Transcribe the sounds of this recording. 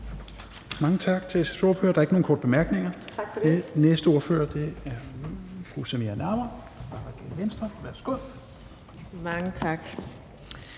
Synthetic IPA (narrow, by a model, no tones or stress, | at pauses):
mɑ̈ŋət͡sʰɑ̈ɡ̥t͡sʰe̝sæso̝ɐfø̰ɐd̥ɑ̈ɐeɡ̥əo̝ːnkʰɒ̰ːd̥b̥e̝mæɐɡ̥ne̝ŋɐ̥enesd̥əo̝ɐfø̰ːɐd̥e̝æɐfʁusemeænæɐmɐ | b̥ɑ̈ʁɑɡ̥enʋensd̥ʁɐʋæɐsɡ̥uð̰ˠ | mɑŋət͡sʰɑɡ̥